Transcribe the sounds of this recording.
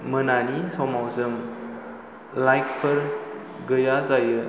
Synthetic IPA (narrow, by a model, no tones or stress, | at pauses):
mɯnanisɔmawzɯm | lajk̚ʰpʰɐɾ | ɡəjazajɯ